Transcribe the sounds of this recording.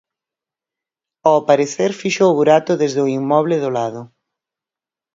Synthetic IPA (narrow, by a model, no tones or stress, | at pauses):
aapaɾeθeɾfiʃoβuɾat̪ʊðezðʊimːɔβ̞lɪðʊlaðʊ